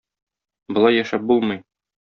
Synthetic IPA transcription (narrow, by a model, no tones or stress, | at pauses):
bŏlˠɑjːæʃæp̚bulˠmɤj